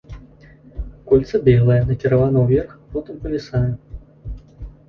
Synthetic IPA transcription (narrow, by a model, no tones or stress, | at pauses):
kulʲt̪sɐbʲɛlˠɐjɐnɐkʲiɾavanɐwvʲɛrxpɔt̪ɨmpɐvʲɛsajɛ